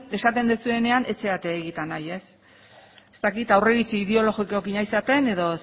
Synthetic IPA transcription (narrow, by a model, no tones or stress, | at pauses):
e̞sat̪e̞nd̪esue̞ne̞anʔe̞t͡se̞at̪eːɣit̪anaje̞s | est̪akit̪awre̞ɣit͡siiðeo̞lo̞ɣikokiɲajsat̪e̞ne̞ðo̞